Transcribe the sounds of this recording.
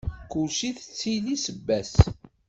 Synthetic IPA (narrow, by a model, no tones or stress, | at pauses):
kuʃiθt͡sːilisəbːæs